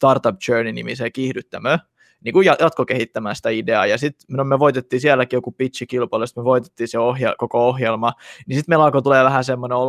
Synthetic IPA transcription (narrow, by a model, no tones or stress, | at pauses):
st̪ɑrt̪ɑp̚t͡ʃøːninḭmisekihdyt̪ːæmø | niːkujɑjɑt̪kokehit̪ːæmæːsi̥t̪æideɑ̰ːjɑsit̪nomøʋoit̪et̪ːiːsielːækiːjokupit̪t͡ʃikilpɑilest̪møʋoit̪e̥t̪ːiːseohj̰kokoohjelmɑnisit̪melɑkot̪uleːʋæhæsemːoneol